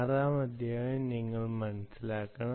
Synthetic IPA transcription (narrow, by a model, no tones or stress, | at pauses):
raːmɐd̪ʱjaniŋːɐɭmɐnɐsilaːkːɐɳɐ